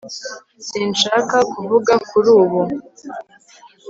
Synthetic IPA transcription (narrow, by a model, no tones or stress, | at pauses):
siːnʃaːkakuvuɡakʰuɾuːβu